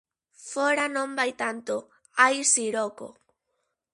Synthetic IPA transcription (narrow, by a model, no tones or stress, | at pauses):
foɾanõmbajt̪ant̪o | ajsiɾoko̰